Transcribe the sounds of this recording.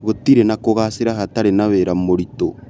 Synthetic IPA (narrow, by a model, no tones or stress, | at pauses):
ɣotiɾenakoɣaseɾahataɾenaβeɾamoɾito